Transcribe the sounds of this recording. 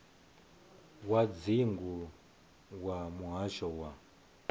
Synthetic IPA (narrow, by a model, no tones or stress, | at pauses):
wad͡ziŋɡu | wamuɦaʃɔwa